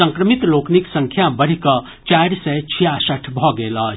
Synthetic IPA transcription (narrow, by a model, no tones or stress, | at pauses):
əŋkɾəmit̪lokniksəŋkʰjabəɽ̤ikʌ | t͡ʃajɾsɛt͡ʃʰijasəʈʰbʱɔɡelʌ